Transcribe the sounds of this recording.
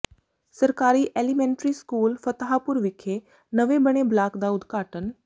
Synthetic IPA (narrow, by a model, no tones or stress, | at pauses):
səɾkaːɾiːʔeːlimɛ̃ːɳʈɾiːskuːlfʰət̪ɦaːpʊɾʋɪkʰːeː | nəʋebəɽ̃eːblaːkd̪aːʊd̪ɡaːʈən